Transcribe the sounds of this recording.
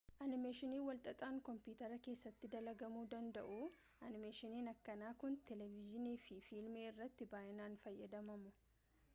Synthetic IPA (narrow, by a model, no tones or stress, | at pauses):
ʔɐnɪmeːʃɪniːwɐlt̪ʼɐt̪ʼaːŋkɔmpuːt̪ɐɾɐke̞ːsːɐt̪ːɪd̪ɐlɐɡɐmuːd̪ɐnd̪ɐ̰ʔuː | ʔɐnɪmeːʃɪniːnɐkːɐnaːkʊnt̪ɛlɛvɪd͡ʒɪniːfɪfiːlmeːɪrːɐt̪ːɪbaːʔɪnaːnfɐjːɐd̪ɐmɐmʊ